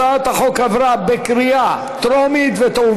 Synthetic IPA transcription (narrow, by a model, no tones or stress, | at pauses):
at̪haχo̞kavɾabekɾia | t̪ɾomit̪vet̪au